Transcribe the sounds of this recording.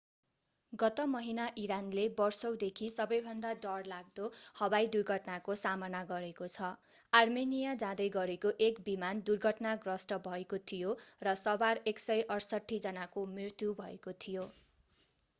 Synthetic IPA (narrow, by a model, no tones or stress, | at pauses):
ɡʌt̪ʌmʌɦinaʔiɾanlebʌrsʌwd̪ekʰisʌbʌjbʱʌnd̪aɖʌrlaɡ̚d̪ohʌbajd̪urɡʱʌʈnakosamʌnaɡʌɾekot͡sʰʌ | armenijad͡zãd̪ʌjɡʌɾekoʔekbimand̪urɡʱʌʈnaɡrʌsʈʌbʱʌekot̪ʰijorʌsʌbareksʌjʔʌrsʌʈʰːid͡zʌnakomrirt̪jubʱʌḛkot̪ʰijo